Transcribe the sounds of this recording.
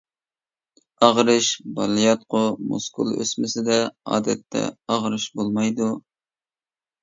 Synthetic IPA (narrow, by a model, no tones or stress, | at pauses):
ɑʁɾɨʃbɑlˠijɑt̪̚qʰʊmṵskṵlˠø̰smɪsɪd̪ɛɑ̰ːd̪ɛt̪ʰːɛ̰ɑʁɾɨʃbolˠmɑjd̪u